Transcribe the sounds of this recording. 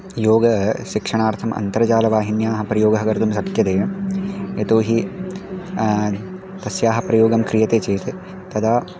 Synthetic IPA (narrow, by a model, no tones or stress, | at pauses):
joːɡɐʃikʂɐɳaːɾt̪ʰɐmɐ̰nt̪ɐɾɐt͡ʃaːlɐʋaːɦinjaːɦɐpɾɐjoːɡɐɦɐkɐɾt̪umsɐkjɐt̪eː | et̪oːɦi | t̪ɐsjaːɦɐpɾɐjoːɡɐmkɾijɐt̪eːt͡ʃeːt̪ | t̪ɐd̪aː